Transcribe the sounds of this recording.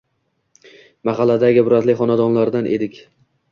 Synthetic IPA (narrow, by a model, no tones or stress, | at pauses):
mɑqɑlad̪aɡʲɪbʊɾat̪lɪχɒnad̪ɒnlaɾd̪anʔe̞d̪ɪkʲ